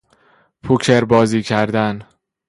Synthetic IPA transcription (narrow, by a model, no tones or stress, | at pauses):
pʰucʰeɾbɒːziːcʰæɾd̪æn